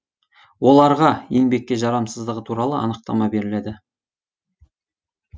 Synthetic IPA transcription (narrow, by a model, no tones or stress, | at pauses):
wo̞lˠɑɾʁɑje̞ŋbe̞k̚ʲːe̞ʒɑɾɑmsəzd̪əʁət̪ʰuɾɑlˠəɑ̰nəq̚t̪ɑmɑbe̞ɾɪled̪ɪ